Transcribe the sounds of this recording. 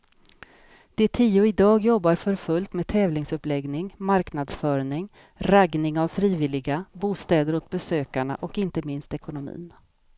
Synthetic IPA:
d̪̥ɛt̪ʰiːʊɪd̪ɑːɡjɔbːaɾfœɾfɵlt̪meːd̪̚t̪ʰɛːvlɪŋsɵplɛɡnɪŋmaɾknad̪sfœːɳɪŋ | ɾaɡnɪŋavfɾiːvɪlɪɡabuːst̪ɛːd̪əɾʊt̪̚bɛsøːkaɳa̰ʔɔkɪnt̪əmɪnst̪ɛkʊnʊmḭːn

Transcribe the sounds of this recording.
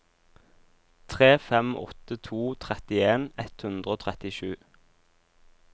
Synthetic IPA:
t̪ʰʁeːfɛmʔɔ̰t̪ət̪ʰuːt̪ʰʁɛt̪ɪeːnɛt̪hʉnd̪ʁəoːt̪ʰʁɛt̪ɪʃʉː

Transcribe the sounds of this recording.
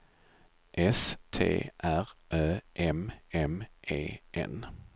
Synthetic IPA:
ʔɛst̪ʰḛːʔæɾʔœːʔɛmɛmʔḛːʔɛ̰n

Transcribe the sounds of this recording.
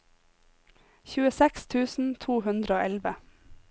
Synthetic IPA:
çʉːəsɛkst̪ʰʉːsn̩t̪ʰuːhʉnd̪ɾəoːʔɛlʋə

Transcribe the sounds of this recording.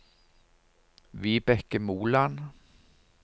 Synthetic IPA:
vɪbɛkːəmuːlan

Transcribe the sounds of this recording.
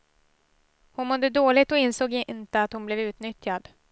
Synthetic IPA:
hʊnmɔd̪ːəd̪oːlɪt̪ɔɪnsoːɡnt̪əat̪hʊnblɛvʉ̟ːt̪nʏt̪jad̪

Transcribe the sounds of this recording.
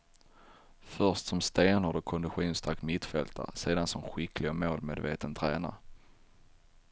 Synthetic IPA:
fœʁʂtsɔmst̪eːnʊd̪ɔkʰɔnd̪ɪɧuːnst̪ʰakmɪt̪fɛlt̪ʰa̰ɾseːd̪ansɔmɧɪklɪɡamoːlmeːd̪vḛːt̪ənt̪ʰɾɛ̰ːna̰

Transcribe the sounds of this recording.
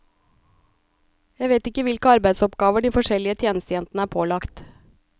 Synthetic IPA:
jæʋeːt̪ɪkəʋɪlkəɑɾbæɪd̪sɔpɡɑːʋəɖiːfɔʃɛlɪət̪ʰjeːnəst̪əjɛnt̪n̩əæːɾpʰoːlɑkt̪

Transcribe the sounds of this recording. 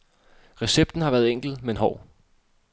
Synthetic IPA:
ʁɛseb̥̚d̥n̩hɑ̈ʋæːɐðˠeŋ̰ɡ̥l̩menɦɒʊ̰

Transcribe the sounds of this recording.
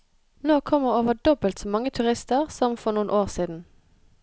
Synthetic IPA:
noːkʰɔmːəʁoːʋəɖ̪ɔbəlt̪sɔːmɑŋət̪ʰʉʁɪst̪əʁsɔmfɔnuːnʔoːʁsiːd̪n̩

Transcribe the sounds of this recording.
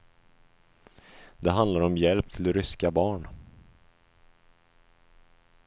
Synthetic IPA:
d̪ɛɦand̪laɾɔmjɛlp̚t̪ʰɪlɾʏskabɑːɳ

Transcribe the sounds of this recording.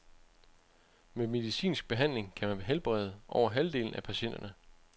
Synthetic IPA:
meme̝ðˠisḭːnsɡ̥̚b̥e̝ɦæn̰le̝ŋkʰæmænb̥eɦelb̥ʁɛ̰ð̞ˠəʔɒʊ̰ɐɦæld̥e̝̰ːln̩æpʰæɕen̰d̥ɐnə

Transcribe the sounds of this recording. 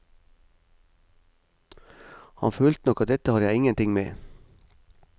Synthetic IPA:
hɑ̰nføːlt̪nɔkɑt̪̚d̪ɛt̪əhɑːɾjæɪɪŋənt̪ɪŋmḛː

